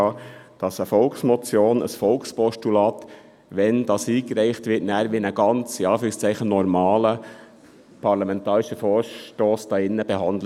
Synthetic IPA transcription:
ɑd̥ɑsəfɔlksmɔt͡sjoːnə̰sfɔlkspɔʃtulɑːt̪ | ʋɛnd̥ɑːsiːkɾæɪχtʋɪtnæːɾʋinəɡ̥ɑnt͡siɑːfyɾɪŋst͡sæɪχənɔɾmɑːlə | pʰɑɾlɑmɛntɑːɾɪʃəfɔːɾʃtoːsd̥ɑːɪnːəbeɦɑndlə

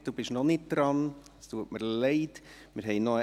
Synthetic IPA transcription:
d̥uːb̥ɪʃnɔnɪt̚d̪̥ɾɑn | stuːətməɾlɛɪt̪ | mɪːɾɦɛɪnoə

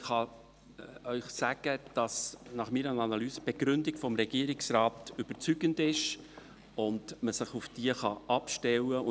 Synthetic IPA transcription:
χɑ | œʏχsæɡ̥əd̥ɑsnɑχmiːɾənɑnɑlyːsəb̥eɡ̥ɾʏndɪɡfɔmɾɛɡ̥iːəɾɪksɾɑːtʏb̥əɾt͡syɡ̥əndɪʃ | ʊndməsɪχufd̥iəχɑʔɑpʃtɛwəʊ

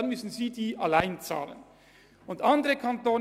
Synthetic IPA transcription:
nmʏsn̩ziːdiːʔalaɪnt͡sa̰ːlə̰n | ʊndʔɑndəʁəkʰantoːn

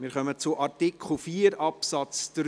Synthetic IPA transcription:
mɪːɾχœmət͡sʊʔɑɾtikχl̩fiːəɾɑpsɑt͡sd̥ɾ

